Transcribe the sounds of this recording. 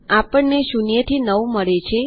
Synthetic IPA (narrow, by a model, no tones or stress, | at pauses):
apəɳneʃunijət̪ʰinəũməɭet͡ʃʰe